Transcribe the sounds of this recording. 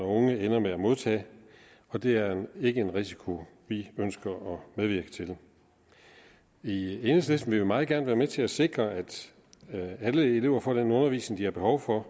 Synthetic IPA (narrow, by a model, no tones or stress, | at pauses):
ɐɔ̽ŋəenɐmeæmo̝ð̞ˠt͡sʰɛ̰ː | ɒ̽d̥e̝æɐe̝ɡ̥əe̝nʁisi̥kʰo̝ | ʋiønsɡ̥ɐɒ̽meðˠʋiɐɡ̥ə̥t͡sʰe̝l | ienəslesn̩ʋe̝ʋimɑ̈ːð̩ˠɡæɐnəʋæːɐmet͡sʰe̝læse̝ɡ̥ʁɐæd̥ | æləe̝le̝ʊ̰ɐfɒ̰ːd̥enɔ̽nɐʋḭːsneŋ̩d̥iæɐb̥e̝hɒʊfɒ̽